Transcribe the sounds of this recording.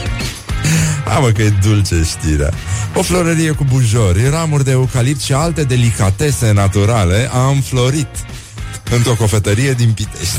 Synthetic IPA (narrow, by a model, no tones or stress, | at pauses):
a̰məkəed̪ult͡ʃeʃt̪iɾea̰o̞flo̞ɾəɾije̞kubuʒo̞rʲramurʲd̪e̞ukalipsʃialt̪e̞d̪e̞likat̪e̞se̞nat̪uɾale̞ʔamflo̞ɾit̪ | ɨnt̪ɾo̞ko̞fe̞t̪əɾije̞d̪inpit̪eʃt̪ʲ